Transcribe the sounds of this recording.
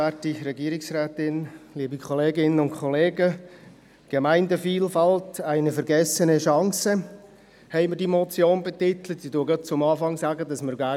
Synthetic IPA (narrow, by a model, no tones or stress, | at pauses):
ætiɾɛɡiəɾɪksɾæːtɪnliːbikʰχɔleːɡɪnənʊntkʰɔleːɡə | ɡ̥emæɪndəfiːlfɑltæɪnəfəɾɡɛsənəʃɑŋsə | hɛɪməɾdimɔt͡sjoːnbetɪt̪lətsiduəɡɑt̚t͡sʊmɑːfɑŋsaɡədɑsməɾɡæ